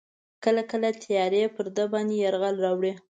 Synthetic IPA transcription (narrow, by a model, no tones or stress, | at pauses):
kəlakəlat̪ʰɪjɑɾepəɾd̪əbɑnd̪ejaɾɣalɾɑwɽe